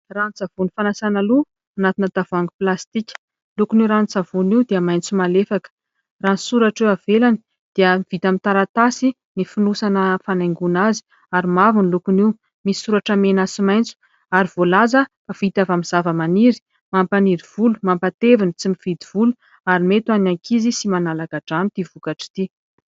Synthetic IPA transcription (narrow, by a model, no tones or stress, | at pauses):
rant͡savunifanasanalu | anat̪inəd̪avaŋɡuplast̪ikʲə̥ | lukuniuɾant͡savuniwd̪iəmajnt͡sumalefakə̥ | ranisuɾaʈ͡ʂewavelani | d̪̥eəmiv̥it̪amint̪aɾat̪asi | nifinusanəfanajŋɡunazi̥ | aɾimavunlukuniw | misuɾaʈ͡ʂəmenasimajnt͡su̥ | aɾiv̥olazəfavit̪avamiz̥avəmaniɾi̥ | mampaniɾiv̥ulumampat̪evinit͡simiv̥id̪iv̥ulu | aɾimet̪wanaŋkʰizisimanalakaɖ͡ʐanit̪ivukaʈ͡ʂi̥t̪i